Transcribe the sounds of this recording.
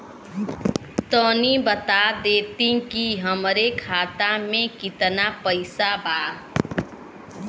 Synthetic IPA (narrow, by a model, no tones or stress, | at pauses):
t̪əːnibət̪ad̪eːt̪ĩkiɦəmɾekʰaːt̪amẽkɪt̪napəɪsabaː